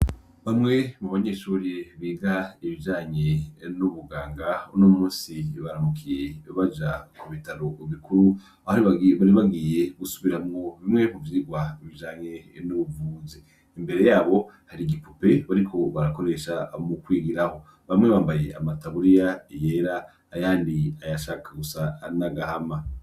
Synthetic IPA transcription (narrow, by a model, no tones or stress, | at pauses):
βamŋe̞muβaɲeːʃuːɾiβiːɡaiβid͡ʒaːɲe̞nuβuɡaːŋɡaunomuːnsiβaɾamukʰije̞βad͡ʒakuβitaɾo̞βikuɾu | ahaɾiβaβaɾiβaɡije̞ɡ̥usuβiɾamŋo̞βimŋe̞muviiɡwaiβid͡ʒaːɲe̞nuβuvuːze | imbe̞ɾe̞jaːβo̞haɾiɡipupe̞βaɾikʰo̞βaɾako̞ɾe̞ʃamukwiːɡiɾaho̞ | βamŋe̞βaːmbaje̞ʔa̰mataβuɾijaije̞ɾaː | jaːndiajaʃakʰaɡusanaɡahama